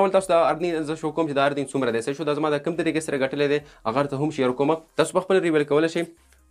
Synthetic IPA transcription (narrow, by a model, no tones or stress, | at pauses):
awɐlt̪aːsud̪aɐɾd̪nizəʃokːoːmt͡ʃed̪aːɾd̪nɪŋɡsumɾɐd̪eseʃod̪aːzɐmaːd̪akɐmt̪ɐɾikesɐɾaɡɐʈəled̪eaɣaɾt̪ɐɦʊmʃejɐɾkomat̪aːsu̥pɐxpəlɾiwelkɐwəleʃej